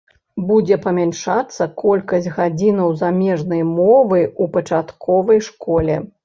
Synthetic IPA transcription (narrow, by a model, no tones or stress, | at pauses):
bud͡zʲɛpɐmʲanʂat̪sːɐkɔlʲkɐsʲtʲɣad͡zʲinɐwzamʲɛʐnɐjmɔvɨupɐt͡ʂat̪kʰɔvɐjʂkɔlʲɛ